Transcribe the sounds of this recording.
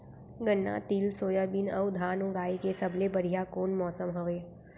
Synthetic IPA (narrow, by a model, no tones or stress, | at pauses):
ɡənːa̰t̪iːlsoːjəbɪnəʊd̪ʱaːnũɡaːikesəblebɐɽ̤ijakoːnmɔːsəmɦoʋeː